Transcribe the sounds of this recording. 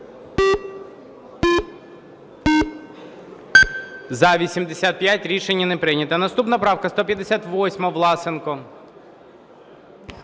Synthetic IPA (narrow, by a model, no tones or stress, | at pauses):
zɐʋʲisʲimd̪esʲat̪̚pʲjatʲɾʲiʃenʲːɐnɛpɾɪnʲɐt̪ɐnɐst̪upnɐpɾɑwkɐst̪ɔpʲjɐd̪esʲat̪ʋɔsʲmɔʋlˠɑsɪnkʊɔ